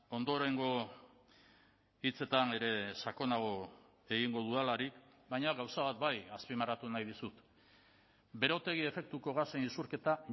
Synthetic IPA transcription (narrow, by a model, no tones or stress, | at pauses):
o̞nd̪o̞ɾeŋɡo̞ | it͡se̞t̪ane̞ɾe̞sako̞naɣ̞o̞ | e̞ɣiŋɡo̞ðualaɾikbajɲaɣawsaβat̪bajaspimarat̪unajðisut̪ | be̞ɾo̞t̪e̞ɣ̞ie̞fe̞k̚t̪uko̞ɣasenisuɾke̞t̪a